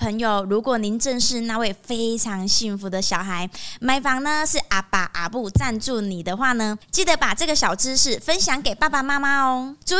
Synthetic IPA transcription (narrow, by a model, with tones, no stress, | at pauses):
pʰə˧˥ŋjo˨ʊɻu˧˥kwɔ˨˩ni˧˥nʈ͡ʂə˥˧nʂɻ̩˥˧na˥˧we˥˨ɪfe˦˥ɪʈ͡ʂʰɑ˧˦˥ŋɕi˥˩ŋfu˨˥˦d̪ə˨˧ɕjɑ˨˩ʊxa˧˦ɪma˧˥ɪfɑ˨˩ŋnə˧ʂɻ̩˥˩ʔa˨˩pa̰˨ʔa̰˨˩pu˥˧t͡sa˥˧nt͡su˥˩ni˨˩d̪ə˦xwa˥˩nə˩˦t͡ɕi˥˩d̪ə˨˦pa˨˩ʈ͡ʂɤə˥˩ɡə˨˩ɕjɑ˨˩ʊʈ͡ʂɻ̩˦ʂɻ̩˥˩fə˦nɕjɑ˨˧˥ŋke˨˩ɪpa˥˩pa˨ma˦˥ma˥ɔ˧t͡su˥